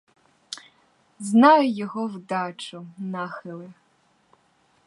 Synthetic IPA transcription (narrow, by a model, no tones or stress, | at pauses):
znɑjʊjɔɦɔwd̪ɑt͡ʃʊnɑxɪlˠɪ